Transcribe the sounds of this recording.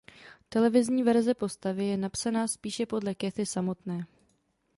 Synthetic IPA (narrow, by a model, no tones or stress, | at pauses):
t̪ɛlɛvɪzɲiːvɛɾzɛpo̞st̪avɪjɛnapsanaːspiːʃɛpo̞dlɛkɛθɪsamo̞t̪nɛː